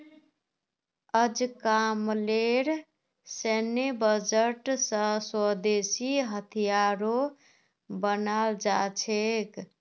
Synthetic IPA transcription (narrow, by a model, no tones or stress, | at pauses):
əd͡ʒkamleɾ | senebəd͡ʒəʈsə̃swəd̪esiɦət̪ʰijaɾo | bənald͡ʒat͡ʃʰek